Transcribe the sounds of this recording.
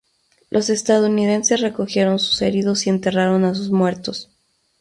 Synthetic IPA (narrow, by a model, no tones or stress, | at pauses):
lʔo̞se̞st̪aðouniðe̞nse̞sre̞ko̞xje̞ɾo̞nsu̥se̞̰ɾið̞o̞sie̞nt̪e̞raɾo̞nas̬uzmwe̞ɾt̪o̞s